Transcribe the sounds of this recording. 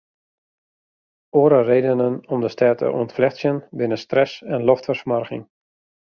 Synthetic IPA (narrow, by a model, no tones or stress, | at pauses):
oːɾəreːdənənɔmdəstɛːtə̰ʔṵəntflɛxsjənbɪnəstrɛsɛnlɔftfərsmɔrɣɪ̰ŋ